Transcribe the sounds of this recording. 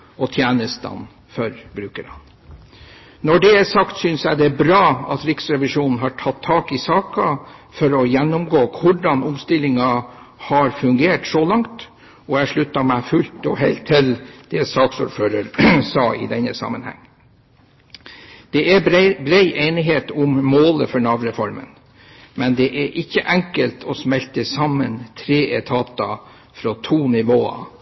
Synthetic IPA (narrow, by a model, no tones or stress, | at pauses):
ɔt̪ʰjæːnəst̪ɑ̰n | fœɾbɾʉːkəɾɑ̰n | nɔɖɛæsɑkt̪sʏnsjæɪd̪ɛbɾɑːɑt̪ɾɪksɾɛʋɪʂuːnn̩ɦɑʈʰɑt̪ʰːɑːkɪsɑːkɑfɔɾɔjɛnːʊmɡoːkʰʋʊɖɑnʊmst̪ɪlːɪŋɑhɑɾfʉŋɡeːʈsɔlɑŋt̪ | ɔæʂɭʉt̪ːɑmæɪfʉlt̪ɔɦeɪlt̪ʰːɪld̪̥ɛst̪ɑːt̪sṵːɾføːɾəɾsɑːɪ̰d̪ɛnːəsɑ̰mːənhæ̰ŋː | d̪̥ɛʔæbɾeɪʔeɪnɪɦeːt̪ʊmmoːləfɔɳɑʋɾɛfɔɾmə̰n | mɛnd̪ɛʔæʔɪçːəʔɛŋkəlt̪ʰɔsmɛlt̪əsɑmːənt̪ʰɾeːʔɛt̪ʰɑːt̪ɑ | fɾot̪ʰuːnɪʋoːɑ̰